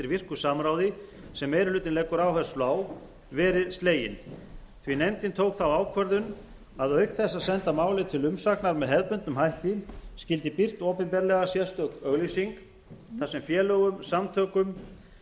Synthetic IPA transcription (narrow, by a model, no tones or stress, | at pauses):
ɪɾvɪr̥kʏsaːmɾaːwðɪ | sɛmːejɾɪhlʏːt̪ɪnlɛːkʏɾaːwhɛ̥slaːw | vɛːɾɪðst̪leːjɪ̰n | θvinejmt̪ɪnt̪ʰowkθawaːwkʰvœɾðʏn | aðœɥkθɛsːaðsɛnt̪amaːwlɪt̪ʰɪlʏmsaknaɾmɛðɦɛðpʏnt̪ːʏmhajht̪iscɪl̪t̪ɪpir̥t̪ɔːpɛnpɛɾlɛɣasjɛst̪œkœɣlisiŋk | θasɛmfjɛːlœːɣʏmsamt̪ʰœːkʏm